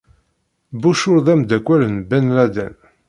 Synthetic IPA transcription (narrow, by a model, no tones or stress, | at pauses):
buʃʊɾðæmd̪ækʷːælənbænlæd̪æ̰n